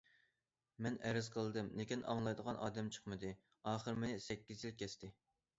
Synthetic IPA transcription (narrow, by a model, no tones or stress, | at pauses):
mɛnɛɾɪzqʰəlˠɨd̪ɨmnekʲinɑ̰ŋlˠɑjd̪əʁɑnʔɑːd̪ɛmt͡ʃʰə̥χmɨd̪ɨ | ɑːχəɾmɪnɪsɛkʲːizjilˠkʲʰɛst̪ʰɪ